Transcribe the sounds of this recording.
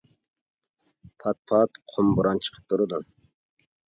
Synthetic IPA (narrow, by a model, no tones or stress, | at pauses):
pʰɑt̪̚pʰɑt̪qʰombuɾɑnt͡ʃʰə̥qʰə̥p̚d̪uɾud̪u